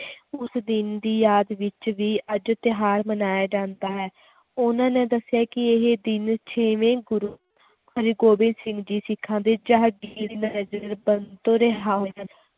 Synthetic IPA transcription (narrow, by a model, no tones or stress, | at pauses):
ʊsd̪ɪnd̪iːjaːd̪ʋɪt͡ʃʋiːəd͡ʒt̪ɪɦaːɾmənaːjeːd͡ʒãːnd̪aːɦɛː | ʊnãːnẽːd̪əsːɪjaːkɪeɦed̪ɪnt͡ʃʰeːʋẽːɡʊɾuː | kʰəɾiɡoːbɪ̃nsɪ̃ŋɡd͡ʒiːsɪkʰːãːnd̪eːd͡ʒaːɦəɡiːɾiːnəɾɛd͡ʒəɾbənt̪õːɾəɦaːɦoːən